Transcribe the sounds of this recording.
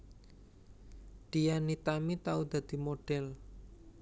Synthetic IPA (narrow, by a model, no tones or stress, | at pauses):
ɖ̪̥ijanit̪amit̪aud̪̥a̤d̪̥i̤moɖ̥ɛl